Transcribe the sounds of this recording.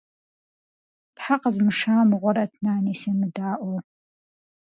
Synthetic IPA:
pħaqəzmɨʃaːmɨʁʷɔɾɐtʰnaːniːseːmɨdaːʔʷo

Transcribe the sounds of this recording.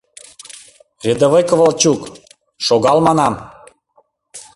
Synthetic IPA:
rʲed̪ə̆βɤjkəvəlt͡ɕuk | ʃoɣɑlmɑnɑm

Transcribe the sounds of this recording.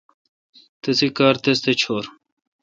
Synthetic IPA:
t̪ɐsikaːɾt̪est̪et͡ɕʰoːɾ

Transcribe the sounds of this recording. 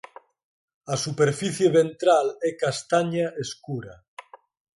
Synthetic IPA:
asupeɾfiθjeβent̪ɾalɛkast̪aɲaʔeskuɾa

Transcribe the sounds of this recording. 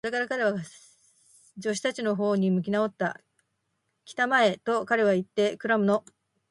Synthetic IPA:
oɾe̞kaɾakaɾe̞βa | d͡ʑo̞ɕ̬i̥t̪at͡ɕino̞ɦo̞ːɲ̟imɯ̟kʲinao̞t̪ːa̰ | kʲi̥t̪amae̞t̪o̞kaɾe̞β̞ait̪ːe̞kɯ̟ɾamɯ̟no̞

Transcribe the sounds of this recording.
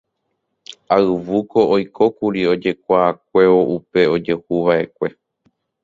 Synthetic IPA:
aɨʋuko̞ʔojkʰo̞kuɾio̞d͡ʒe̞kʷaːk̚ʷe̞oʔupe̞o̞d͡ʒe̞huʋaʔe̞kʷe̞

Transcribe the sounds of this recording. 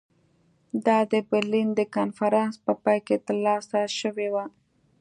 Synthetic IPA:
d̪ɑd̪əbɪɾlind̪əkɑnfaɾɑnspəpɑjket̪əɾlɑsaʃəwewa

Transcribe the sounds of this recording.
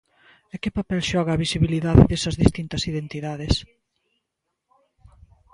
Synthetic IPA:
ekɪpapɛlʃɔɣɐːβisiβiliðaðɪ̰ðesɐzðist̪int̪ɐsiðent̪iðaðes

